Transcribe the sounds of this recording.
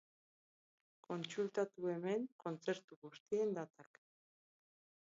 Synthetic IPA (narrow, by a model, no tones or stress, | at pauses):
ko̞nt͡sult̪at̪ue̞me̞ŋko̞nt͡se̞ɾt̪uɣust̪ie̞nd̪at̪ak